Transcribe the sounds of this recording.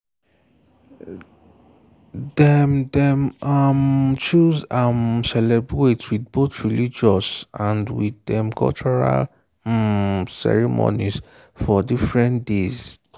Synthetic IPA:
dɛmdɛ̃mamt͡ʃuzamsɛlɛbɹetwidboθɹilid͡ʒɔsãndwiddɛ̃mkʰɔ̰lt͡ʃɔɹa̰l | sɛ̰ɹimo̰niz | fɔdifɹɛ̃ntdez

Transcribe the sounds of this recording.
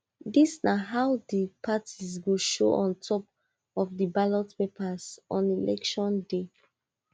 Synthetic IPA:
disnaɦaʊdipʰatʰizɡuʃo̰ʔɔ̃ntʰɔp | ɔfdəbalɔtpepazɔ̃nilʔɛ̰kʃɔ̃nde

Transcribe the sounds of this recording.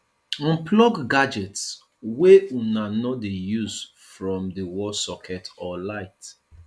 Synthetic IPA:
ɔ̃nplɔɡɡad͡ʒɛts | weunanɔdejuz | fɹɔ̃mdəwɔsɔkʰɛtɔlaɪt

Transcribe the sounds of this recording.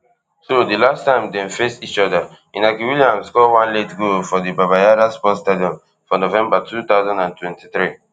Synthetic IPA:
sodilastãɪ̃mdɛ̃nfesit͡ʃɔda | ĩnakiwiliãmskɔwãnletɡofɔdibabajaɾaspɔstediɔ̃n | fɔnovɛ̃mbatʰut̪aʊzãndãntwɛ̃ntiθɹi

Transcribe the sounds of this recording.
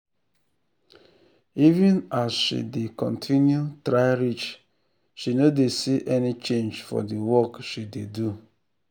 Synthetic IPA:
ivĩnazʃḭdekɔ̰̃ntʰinjutɾaɪɾit͡ʃ | ʃinodesiʔɛnit͡ʃẽnd͡ʒfɔ̰diwɔkʃidedu

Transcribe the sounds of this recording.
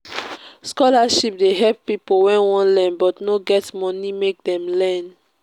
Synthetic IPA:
skɔlaʃip̚deɦɛppipowɛ̃nwɔ̃nlɛ̃nbɔtnoɡɛtmɔnimek̚dɛ̃mlɛ̃n

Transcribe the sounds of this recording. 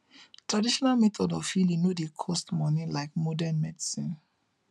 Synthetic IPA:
tɹadiʃɔnalmɛtʰɔdɔvhilĩnodekʰɔstmɔnĩlaɪkmɔdãnmɛdisĩn

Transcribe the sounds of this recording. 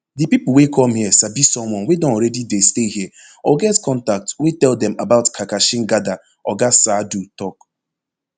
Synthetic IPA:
dipipʊl̩ˠwekʰɔmhiəsabisɔ̃mwɔ̃nwedɔ̃nɾɛdidesteɦiə | ɔɡɛtkɔ̃ntak̚twetɛldɛ̃mabaʊtkʰakaʃɪ̃ŋɡada | ɔɡasadutɔk

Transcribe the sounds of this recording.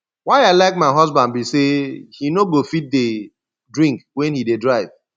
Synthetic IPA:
waɪaɪlaɪk̚maɪɦɔzbãndbisehinoɡofit̚de | dɹĩŋkwɛ̃nhidedɹaɪv̥

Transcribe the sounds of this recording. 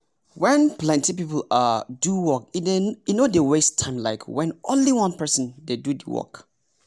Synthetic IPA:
wɛ̃nplɛ̃ntipipl̩aduwɔkdejnodewestʰãɪ̃mlaɪkʰwɛ̃nʔõnliwʌ̃npɛsə̃ndedud̰wɔ̰k

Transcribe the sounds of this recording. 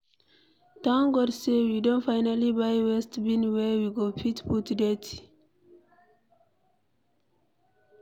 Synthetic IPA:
tãʊ̃nɡɔdsewidõntfajnalibajwɛstbĩnwɛwiɡopʰitputdɛt

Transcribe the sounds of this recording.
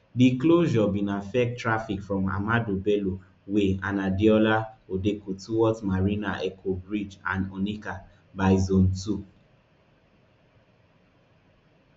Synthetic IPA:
dikloʒɔbĩnafɛk̚tːɹafikfɹɔ̃ma̰madobɛlo | weanadiɔlaodekotuwɔtmaɹinaʔɛkʰobɹid͡ʒã̰nɔnika | baɪzõntu

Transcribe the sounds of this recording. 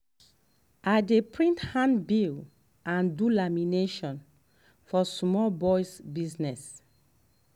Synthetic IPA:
ajdepɹĩnthãnbil | ãndulamineʃɔ̃n | fɔsmɔlbɔjsbiznɛs

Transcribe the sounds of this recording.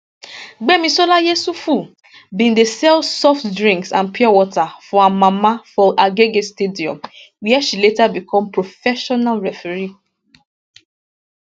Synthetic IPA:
ɡ͡bemĩsolajesufu | bĩndesɛlsɔftdɹĩŋksãnpiɔwɔtafɔamãmafɔʔaɡeɡestediɔ̰̃m | wiɛʃiletabikɔ̃mpɹofɛʃɔnalɹɛfɛɹi

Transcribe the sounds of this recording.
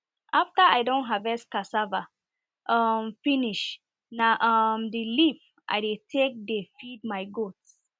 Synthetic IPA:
ʔaftaaɪdõnɦavɛskasava | ʔʌmfiniʃ | naʔʌmdilip | ʔa̰ɪdetʰek̚defid̚maɪɡots

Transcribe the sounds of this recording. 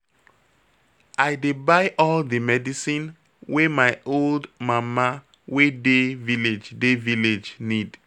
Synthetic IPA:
ajdebaɪʔɔldəmɛdisĩn | wemaɪʔoldmãma | wedeviled͡ʒdeviled͡ʒnid

